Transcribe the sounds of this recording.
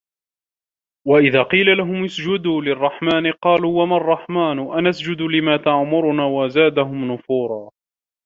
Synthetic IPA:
waʔɪðaːqiːlalaɦʊmʊsd͡ʒʊd̪uːlɪrˤːɑħmaːnɪqɑːluːwamarˤːɑħmaːnʔanasd͡ʒʊd̪ʊlɪmaːt̪aʕmʊɾʊnaːwazaːd̪aɦʊmnʊfuːɾˤɑː

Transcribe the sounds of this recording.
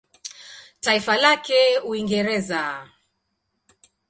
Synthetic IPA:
taifalakɛuiŋɡɛɾɛza

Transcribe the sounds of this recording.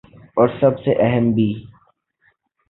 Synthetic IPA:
ɔːɾsɐbseʔɛɦəmbʱiː

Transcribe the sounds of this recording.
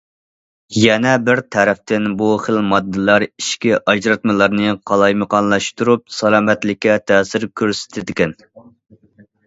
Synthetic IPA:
jɛnɛbɪɾt̪ʰɛɾɛft̪ɪnbuχəlmɑd̪ːɨlˠɑɾiʃkʲiʔɑd͡ʒɾɑt̪mɨlˠɑɾnɨqʰɑlˠɑjmɨqɑnlˠɑʃt̪uɾup̚sɑlˠɑːmɛt̪lɪkʲːɛt̪ʰɛːsɪɾkʲʰøɾsɪ̥t̪ʰɪd̪ɪkʲɛn

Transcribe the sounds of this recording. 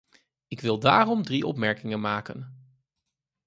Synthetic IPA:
ɪkʋɪlˠdaːrɔmdriʔɔ̰pmɛɹkɪŋənmaːkə̰n

